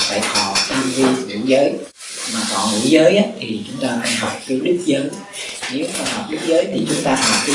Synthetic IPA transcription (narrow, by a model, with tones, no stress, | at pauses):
t̪a̰ː˧˨jh̪ʰɔ˧˨˩t̪a˧mvi˧kḭ˧˥˦zəː˨˦j | maː˨˩kɔ˧˨˩nŋḭ˧˥˦zəː˨˦jʔaː˨˦t̪ʰi˨˩t͡ɕʊ˨˦ŋ͡mt̪aː˧faː˧˦ɦɔ˨˩wk͡p̚ki˨˦lɨ˦˥k̚zəː˨˦j | ne˨˦maː˧˩hɔ˨˩wk͡p̚ɗɨ˦˥k̚zəː˨˦jt̪ʰi˨˩t͡ɕʊ˨˦ŋ͡mt̪aː˧hɔ˨˩p̚kaː˨˦